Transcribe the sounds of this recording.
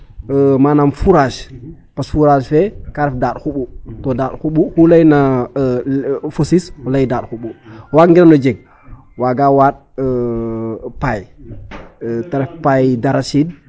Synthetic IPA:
əmaːnamfuɾaʃ | pasfuɾaʃfɛkaɾɛfdat̚xuɓutɔdaːtxuɓuxulajna | fosisxulajdaːt̚xuɓuwaŋɡinanɔd͡ʒeɡ̚ | waːɡaːwaːt̚ | paj | taɾɛfpajdaɾasid

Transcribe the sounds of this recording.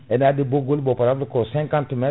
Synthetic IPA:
ɛnadeboɡolibɔpaɾablukɔsɛ̃ŋkãntumɛ

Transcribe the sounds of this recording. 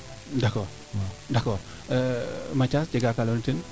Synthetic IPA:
dɔkɔ | dakɔ | əmat͡ʃasd͡ʒəɡakalont̪in

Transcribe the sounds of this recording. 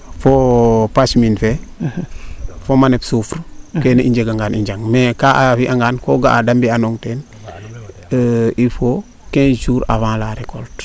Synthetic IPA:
fopasminfe | fomanepsufɾkenʔiɲd͡ʒeɡaŋɡaːnʔiɲd͡ʒaŋmekaafiʔaŋɡaːnkoɡaːdambianoŋten | ifo | kẽnd͡ʒuːɾa̰fãːlaɾeko̰lt

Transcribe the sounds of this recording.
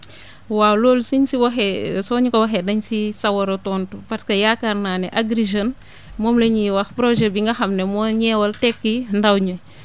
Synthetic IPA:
wawloːlsiɲsiwɐxesɔːɲikowɐxedɐɲsisɐwɐɾotɔːntupaɾskɐjaːkaɾnaːnɛʔaɡɾiʒon | mɔːmleɲiwɐxpɾoʒɛbiŋɡɐxɐmnemɔːɲɛːwɐltɛkːindawɲo

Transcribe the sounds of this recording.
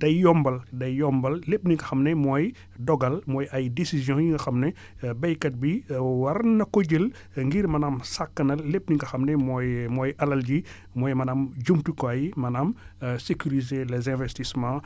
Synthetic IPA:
d̥ɐjjɔmbɐldɐjːɔmbɐlːepniŋkɐxɐmnɛmɔːj | dɔɡɐlmɔːjɐjdesizjɔ̃jiŋɡɐxɐmnɛ | bɐjkɐt̚biwɐɾnɐkoɟəl | ŋɡiɾmɐnamsakːɐnɐlːep̚niŋkɐxɐmnɛmɔjmɔjʔɐlɐlɟi | mɔːjmɐnaːmɟumtukɔɐjmɐnamsekyɾizelɛzɛ̃vɛstismã

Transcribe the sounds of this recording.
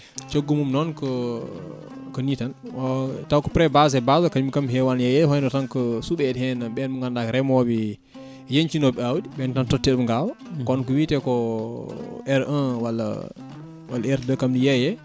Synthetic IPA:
t͡ʃoɡːumumnɔnkɔ | kɔnitanʔɔtawkɔ̥pɾɛbazɛbazɔkaumikamɦɛwanjɛjɛhɔjdɔtankɔsuɓɛthɛnabɓɛnmuŋɡandakɾɛmɔbi | jeɲt͡ʃinɔbɛawdiɓɛntantɔtːɛɗumɡawɔkɔnkɔwitɛkɔ | ɛɾʔənwalːa̰ | walːɛɾdəkamdijɛjɛ

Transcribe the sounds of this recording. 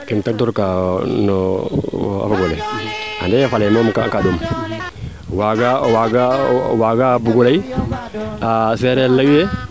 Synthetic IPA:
kimtak̚tɔɾkanɔ | a̰faɡolɛa̰dɛjfalajmɔmkakadom | waɡawaɡawaɡabuɡolai | asɛɾɛlːajujɛ

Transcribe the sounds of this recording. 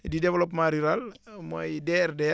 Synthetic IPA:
didɛʋlɔpmaɾiɾalmojdɛɾdɛ

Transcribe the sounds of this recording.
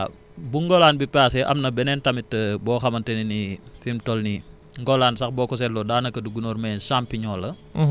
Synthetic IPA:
buŋɡɔlaːnbipaːsɛʔɐ̰mnɐbɛnɛntɐmitːəbɔːxɐmɐntɐninifimtɔlni | ŋɡɔlaːnsɐxbɔːkɔs̬ɛllɔdaːnɐkɐduɡunɔːɾmɛnʃaːmpːiɲɔːlɐ

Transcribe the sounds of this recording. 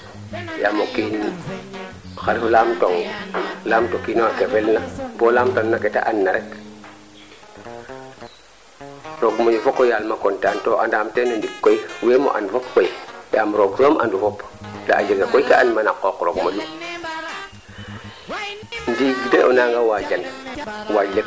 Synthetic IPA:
jamokiːn | xaɾiflaːmtoŋlaːmtokiːnowakefelnapolaːmtonnaketa̰ʔanːaɾek | ɾoɡmojufokːojaːlmakontantoʔandaːmtenondikkːojweːmo̰ʔa̰nfopkojjaːmɾoɡsoːmʔa̰ndufop | da̰ʔaɟeɡakojkaanmanakːoːkɾo̰ɡmolu | ndiɡdeʔonaːŋɡawaɟanwaɟle

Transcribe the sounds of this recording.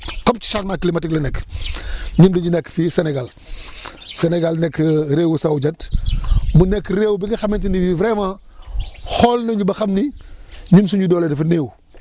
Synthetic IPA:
kop̚t͡ʃi̥satmakilimatiklɐnɛkː | ɲundiɲinɛkːfiseneɡal | seneɡalnɛkːɾeːwusawd͡ʒɐt | munekːɾeːwbiɡɐxɐmentinibivɾema | holnɐɲubɐxɐmniɲuns̬uɲɟudoːledɐfɐneːw

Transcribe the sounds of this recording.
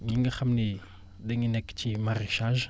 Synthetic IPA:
miŋaxamini | d̪eŋineki̥t͡ʃimaɾeʃãʒə̥

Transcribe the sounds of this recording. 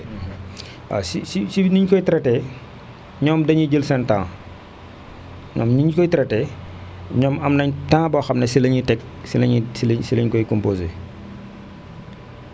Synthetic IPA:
a̰sisisiniɲkɔjtɾɛtɛ | ɲɔːmdɐɲiɟəlsɛntã̰ŋ | ɲɔ̰mniɲkɔjtɾɛtɛ | ɲɔːmɐmnɐɲtãːŋbɔxɐmnɛsilɐɲitɛk̚ | silɐɲisilsilɐɲkɔjkɔmpoːzḛː

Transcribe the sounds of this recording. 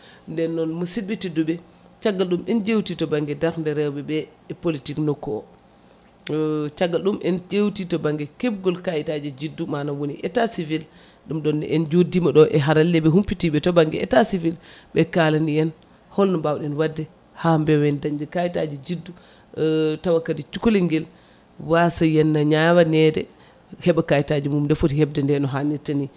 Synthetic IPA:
ndɛnːɔnmusibitiduɓɛ | t͡ʃaɡːalɗumɛnd͡ʒewtitɔbaŋɡɛdaɾndɛɾɛwɓɛbɛpolitiknɔkːɔɔ | t͡ʃaɡːalɗumʔɛnd͡ʒewtitɔbaŋɡɛkɛb̚ɡɔlkajitad͡ʒɛd͡ʒidːumanawoniʔɛtasivil | ɗumɗɔnːɛ̰ʔɛnd͡ʒodimaɗɔʔɛɦaɾalːɛɓɛɦumpitiɓɛtɔbaŋɡɛ̰ɛ̰tasivilɓɛkalanijɛn | hɔlnɔbawɗɛnwadːɛ | hambɛwɛndaɲd͡ʒɛkajita̰d͡ʒid͡ʒidːu | tawakːadit͡ʃukoliŋɡɛl | wasajɛnːaɲawanɛdɛ̰ | hɛɓakajitad͡ʒimumndɛfotihɛb̚dɛndɛnɔɦanitani

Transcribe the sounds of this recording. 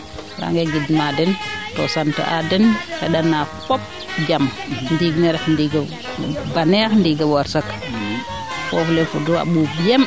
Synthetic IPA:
ɾa̰ŋɡɛɡidmadɛntɔ̰santa̰ʔa̰dɛnhɛɗanːafɔp̚ | d͡ʒamndiɡnɛɾɛxndiɡ | banɛxndiɡawaɾsak | fɔflɛfudua̰ɓubijɛm

